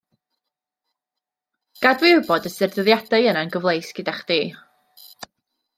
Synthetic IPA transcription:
ɡ̥adwɪʊbɔdəsɪrðəðjadaɨənanɡəvlˠejsɡ̥ədaχd̥iː

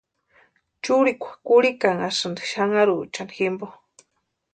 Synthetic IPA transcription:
t͡ʃuɾikʷʰḁkuɽikaŋasɨnd̪i̥ʃaŋaɾut͡ʃandiximbo

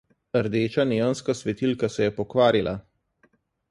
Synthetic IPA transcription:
əɾd̪eːt͡ʃaneːənskasʋɛt̪ilkasɛjɛpɔkʋaːɾilʔa̰

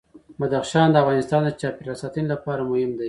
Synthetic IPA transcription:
mad̪axʃɑnd̪əafɣɑnɪst̪ɑnd̪ət͡ʃɑpeɾɑsɑt̪inlapɑɾamʊhɪmd̪a

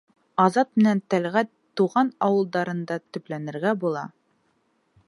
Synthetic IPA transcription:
ɑzɑt̪̚mɘ̆nænt̪ælʁæ | uʁɑnɑwɤ̆lˠd̪ɑɾɤ̆nd̪ɑt̪ɵ̆plænɘ̆ɾɡæbulˠɑ̰

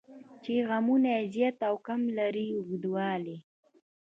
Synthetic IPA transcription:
t͡ʃeɣamunazjat̪awkamlaɾiʊɡd̪wɑːle

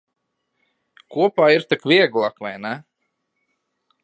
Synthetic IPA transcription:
kuɔpaːiɾt̪ikvʲiɛɡlˠakvajnɛ

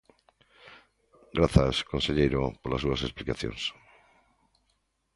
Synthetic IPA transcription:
ɡɾaθaskonseʎejɾopoɾlasuasesplikaθjõ̰ns

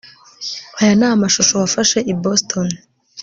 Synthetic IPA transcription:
hajanaːmaʃuʃo̞wafaʃe̞ʔiboston

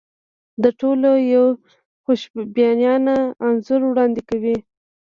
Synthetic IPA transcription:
d̪əʈolojaw | xoʃbjɑnjɑnaːnzʊɾwɽɑnd̪ɪkawi

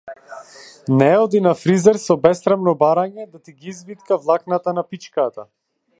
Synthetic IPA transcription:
nɛɔd̪inafɾizɛɾsɔbɛst̪ɾamnɔbaɾaɲɛd̪at̪iɡiizbit̪kavlˠaknat̪anapit͡ʃkat̪a

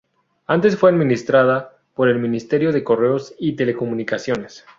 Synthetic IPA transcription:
ant̪e̞sfwe̞aðmĩnist̪ɾaða | po̞ɾe̞lmĩnist̪e̞ɾjo̞ðe̞ko̞re̞o̞sit̪e̞le̞ko̞mũnikasjo̞ne̞s

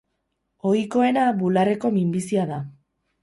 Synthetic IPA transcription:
o̞jko̞e̞naβulare̞ko̞mimbisiaða

